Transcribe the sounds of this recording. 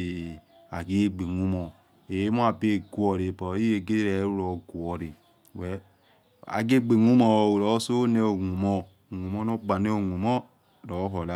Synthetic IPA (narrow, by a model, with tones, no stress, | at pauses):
a̰˨ɡe˦ɡ͡be˨ŋu˦mo˨ | e˨˦mo˦a˨be˦˨ɡu˨˦o˨ɾi˨po˨˦i˦je˨ɡe˦ɾe˨˦ɾo˨ɡu˨o˨ɾi˨ | we˨ | a̰˨ɡe˦ɡ͡be˨ŋu˦mo˦˨ɾo˨˦so˦ne˦o˨ŋu˨mo˦˨ | ŋu˨mo˦no˦ɡ͡ba˨ne˦o˨ŋu˨mo˦ | do˨˦ɦo˨la˦